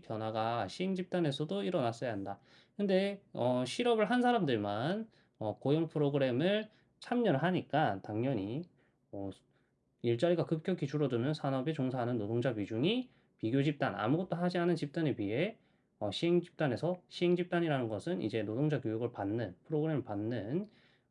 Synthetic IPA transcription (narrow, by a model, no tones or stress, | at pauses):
pjʌnwaɡaɕʰiɦeŋd͡ʑip̚t͈ane̞sʰʌdoiɾʌnas͈ʌjaɦanda | kɯnde̞ʌɕʰiɾʌbɯɭɦansʰaɾamdɯɭman | ʌkojʌŋpʰɯɾoɡɯɾe̞mɯɭ | t͡ɕʰamɲʌnɦaɲik͈ataŋɲʌɲi | ʌ | iɭt͡ɕ͈aɾiɡakɯp̚kʰjʌkit͡ɕʰuɾʌdunɯnsʰanʌbet͡ɕoŋsʰaɦanɯnːodoŋd͡ʑapɥid͡ʑuŋi | piɡjod͡ʑip̚t͈ana̰muɡʌt̚t͈oɦad͡ʑiɦanɯnt͡ɕip̚t͈anepɥiɦe̞ | ʌɕʰiɦeŋd͡ʑi̥p̚t͈ane̞sʰʌɕʰiɦe̞ŋd͡ʑip̚t͈aɲiɾanɯnɡʌsʰɯnḭd͡ʑe̞nodoŋd͡ʑakjojoɡɯɭpanːɯnpʰɯɾoɡɯɾe̞mɯɭpanːɯn